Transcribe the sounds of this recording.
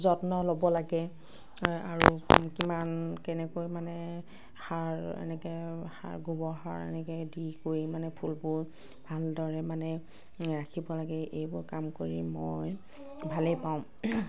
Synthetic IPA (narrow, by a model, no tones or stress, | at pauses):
zɔtnɔlobɔlaɡɛ | aɹukimankɛnɛkojmanɛ | xaɹɛ̰nɛkɛxa̰ɹɡubɔɦaɹɛ̰nɛkɛdikoimanɛpʰulbʊɹ | bʱaldɔɹɛmanɛ | ɹakʰibɔlaɡɛʔejbʊɹkamkoɹimɔj | bʱalɛpaʊ̃